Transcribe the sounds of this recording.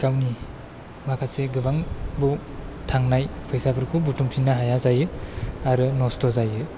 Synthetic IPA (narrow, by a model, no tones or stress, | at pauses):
kawni | makʰaseɡɯbaŋbu | tʰaŋnajpʰɔjsapʰɯɾkʰubutumpʰinːaɦajazajɯaɾɯnɔstɔzajɯ